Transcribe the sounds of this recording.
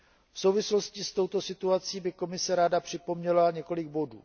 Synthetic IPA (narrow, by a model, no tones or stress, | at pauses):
fso̞wvɪslo̞scɪst̪o̞wt̪o̞sɪt̪uat͡siːbɪko̞mɪsɛɾaːdapr̝̥ɪpo̞mɲɛlaɲɛko̞lɪɡ̚bo̞dṵː